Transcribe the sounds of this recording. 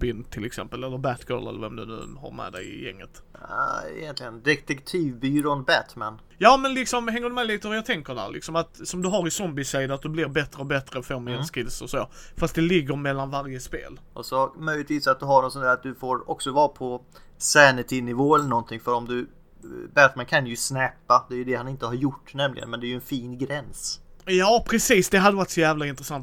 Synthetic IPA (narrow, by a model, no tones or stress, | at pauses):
bɪnt̪ʰɪlɛksɛ̰mpəlɛlːəɾbæt̪ɡ̥ɔ̰lɛ̰lːə̰ɾvɛmd̪ɵnʉ̟̰ːha̰ɾmɛ̰ːd̪ɛ̰ɪɪ̰jɛ̰ŋːət̪ | ɛ̰jɛnt̪lɪɡənd̪ɛt̪ʰɛkt̪ʰiːvbyːɾɔnbæt̪mɛn | jɑːmɛnlɪksɔmhɛŋːəɖ̪ɵmɛliːt̪əvɑɾjɑt̪ʰɛŋkəɖæ̰ɾlʔɪ̰ksɔmat̪sɔmd̪ɵɦaɾɪsɔmbɪsæjd̪əat̪̚d̪ɵblɪɾbɛt̪ɾəɔbɛt̪ɾəfoːɾmɛɛnskɪd̪səso̰ːfast̪d̪ɛlɪɡːəɾmɛlːanvaɾjəspḛːlʔɔsɔmœjlɪt̪viːsat̪̚d̪ɵɦaɳɔt̪sɔnæɾat̪̚d̪ɵfoːɾɔksɔvɑːpʰɔ | sɛnɪt̪ʰɪnɪvoːɛlənɔnt̪ʰɪŋfœɾɔmd̪ɵ | bɛt̪mɛnkʰanjɵsnɛːpːad̪ɛːjɵd̪ɛhanɪnt̪əhaɾjʊʈːnɛmlɪ̰ɡə̰nmɛnd̪ɛæjɵɛnfiːnɡɾɛnsjɑːpʰɾɛsiːsd̪ɛɦad̪ːəvaɾt̪sɔjæːvlaɪnt̪ɾɛsant̪